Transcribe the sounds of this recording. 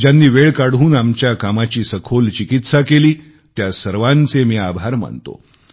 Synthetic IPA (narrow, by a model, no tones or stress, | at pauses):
d͡ʑjanːiːʋeɭkaɽuːnamt͡ɕjakamat͡ɕiːsəkʰolt͡ɕikit̪sakeliː | t̪jasəɾʋant͡semiːabʱaɾma̰ɳt̪o̰